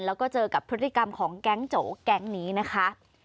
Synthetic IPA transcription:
nlɛː˦˥wkɔː˥˩t͡ɕɤː˧ka˨˩pʰɾɯ˦˥t̪ʰːi˨˩ka˧mkʰɔː˩˦ŋkɛ˦˥ŋt͡ɕoː˩˦kɛ˦˥ŋniː˦˥na˦˥kʰa˦˥

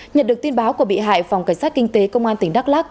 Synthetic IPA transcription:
ɲə̰˨nɗɨ˨˩ək̚t̪i˧ənɓaː˨˦wku˧˩əɓḭ˧˨ɦa̰ː˧˨jfa˨˩wka˧˩jŋ̟saː˦˥t̚kï˧ŋt̪e˨˦kə˧wŋ͡mʔaː˧nt̪ï˧˩ŋɗa˦˥k̚laː˦˥k̚

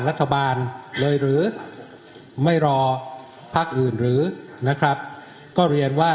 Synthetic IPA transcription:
ɾa˦˥t̪ʰːa˧baː˧nlɤː˧jɾɯː˩˦ | ma˥˩jɾɔː˧ | pʰa˦˥k̚ʔɯː˨˩nɾɯː˩˦na˦˥kʰɾa˦˥p̚ | kɔː˥˩ɾi˧ənwaː˥˩

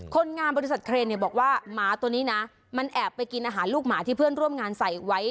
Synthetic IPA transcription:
kʰo˧nŋaː˧mbɔ˧ɾi˧˥sa˨˩t̪̚kʰɾeː˧nːi˨˩bɔː˨˩k̚waː˥˩maː˩˦˥t̪u˧nːiː˦˥na˦˥ | ma˧nʔɛː˨˩pːa˧jki˧nʔaː˧ɦaː˩˦nluː˥˩k̚maː˩˦˥t̪ʰiː˥˩pʰɯ˥˩ənɾu˥˩əmŋaː˧nsa˨˩jwa˦˥j

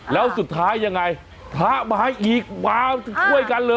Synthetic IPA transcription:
lɛː˨˦˥wsu˨˩t̪̚ʰːaː˦˥jːa˧ŋːa˧˩j | t̪ʰaː˨˦˥ɓaː˨˧˦jʔi˨˩k̚waː˧˦˧kʰu˧˩əjka˧nləː˧

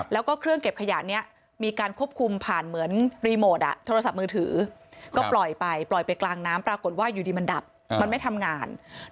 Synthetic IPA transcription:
lɛː˦˥wkɔː˥˩kʰɾɯ˥˩əŋke˨˩p̚kʰa˧ja̰˨˩ʔni˦˥ɐ | miː˧kaː˧nkʰu˥˩əp̚kʰu˧mpʰaː˨˩nmɯ˩˦ənɾiː˧moː˨˩t̪̚ʔa̰˨˩t̪ʰoː˧ɾa˧sa˨˩p̚mɯː˧t̪ʰɯː˩˦kɔː˥˩plɔ˨˩jpa˧jplɔ˨˩jpa˧jklaː˧ŋnaː˦˥mpɾaː˧ko˨˩t̪̚waː˥˩juː˨˩diː˧ma˧nda˨˩p̚ | ma˧nma˥˩jt̪ʰa˧mŋaː˧n

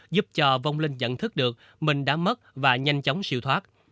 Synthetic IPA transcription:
zu˦˥p̚t͡ɕɔ˧va˧wŋ͡mlï˧ŋ̟zə̰˧˨nt̪ʰɨ˦˥k̚ɗɨ˨˩ək̚ | mï˨˩ŋ̟ɗa̰ː˧˥mə˦˥t̚vaː˨˩ɲa˧jŋ̟t͡ɕɔ˨˦wŋ͡msḭ˧˨wt̪ʰwaː˦˥t̚

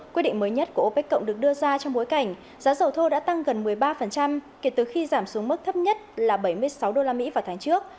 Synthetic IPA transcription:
kwi˧ɗḭ˧˨ŋ̟məː˨˦jɲə˦˥t̚ku˧˩ʔo˧˩pe˦˥kːə̰˧˨wŋ͡mɗɨ˨˩ək̚ɗɨ˧əzaː˧t͡ɕɔ˧ŋ͡mɓo˨˦jka˧˩jŋ̟ | zaː˨˦zə˨˩wt̪ʰo˧ɗa̰ː˧˥t̪a˧ŋɣə˨˩nmɨ˨˩əjɓaː˧fə˨˩nt͡ɕa˧mke˧˩t̪ɨ˨˩xi˧zaː˧˩msu˨˦əŋmɨ˦˥k̚t̪ʰə˦˥p̚ɲə˦˥t̚laː˨˩ɓə˧˩jmɨ˧əjsa˨˦wɗo˧laː˧mḭ˧˥vaː˨˩wt̪ʰaː˨˦ŋt͡ɕɨ˦˥ək̚

